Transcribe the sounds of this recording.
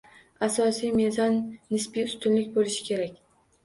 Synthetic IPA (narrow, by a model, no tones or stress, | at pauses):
asɒsijme̞zɒnːɪspijʊst̪ʊnlɪkʲbolɪʃɪ̥kʲʰe̞ɾakʲ